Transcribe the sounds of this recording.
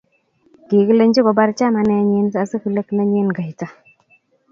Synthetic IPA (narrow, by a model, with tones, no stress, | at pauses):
ɡi˨ɡə˦lə˦nd͡ʒi˦ɡo˨ba˦ɾt͡ʃa˦ma˨ne˦ɲe˦nsə˦a˨sə˦kə˨lə˦kna˦ɲe˦nɡa˨jta˨˦